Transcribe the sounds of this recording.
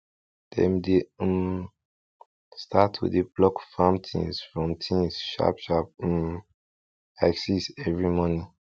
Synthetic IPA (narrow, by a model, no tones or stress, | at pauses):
d̥ɛ̰̃mdem | stʰatʰḭdeblɔkfãmtʰḭ̃nsfɹɔ̃mtʰĩŋsʃa̰pʃap̚m | aksisɛvɹimɔnĩ